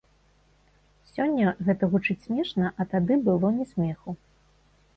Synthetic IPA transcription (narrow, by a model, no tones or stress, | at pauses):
sʲɔnʲːɐɣɛt̪ɐɣut͡ʂɨt͡sʲsʲmʲɛʂnɐʔɐt̪ad̪ɨbɨlˠɔnʲɛsʲmʲɛxu